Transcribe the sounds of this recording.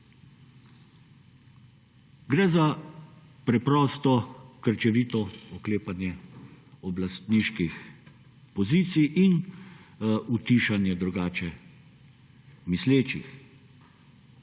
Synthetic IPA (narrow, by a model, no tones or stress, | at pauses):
ɡɾɛːza | pɾɛpɾɔːst̪ɔkəɾt͡ʃɛʋiːt̪ɔɔkleːpanjɛ | ɔblast̪niːʃkix | pɔziːt̪sijʔin | ut̪iʃanjɛd̪ɾuɡaːt͡ʃɛ | misleːt͡ʃḭx